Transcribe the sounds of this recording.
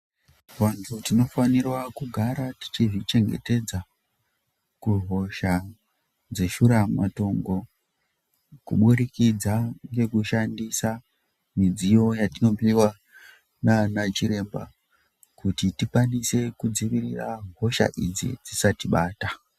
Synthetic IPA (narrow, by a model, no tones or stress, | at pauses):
ʋantʰutino̞fanirwakuɡʱaɾati̥t͡ʃiʐit͡ʃe̞ŋɡe̞̰te̞d͡za | kuɦo̞ʃa | d͡ze̞ʃuɾama̰to̞ŋɡo̞ | kṵɓuɾikid͡zaŋɡe̞kuʃandisa | mid͡zijo̞jatino̞piwa | nanat͡ʃiɾe̞mba̰ | kutitikwanise̞kud͡ziʋirira̰ɦo̞ʃa̰ʔid͡zḭd͡zisatiɓaːta